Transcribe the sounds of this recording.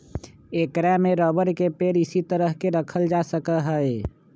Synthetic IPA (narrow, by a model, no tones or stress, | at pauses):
ekɾamẽɾɔːbəɾkepeːɾɪsit̪əɾəɦkeɾəkʰəld͡ʒasəkəɦəe